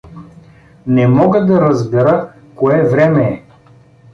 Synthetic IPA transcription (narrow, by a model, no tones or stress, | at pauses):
nɛmɔɡəd̪ɐɾəzbɛɾə | koɛvɾɛmɛː